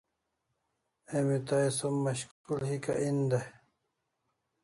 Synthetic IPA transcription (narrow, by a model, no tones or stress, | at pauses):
emit̪ajsomːɐɕkkulhika̰ʔind̪a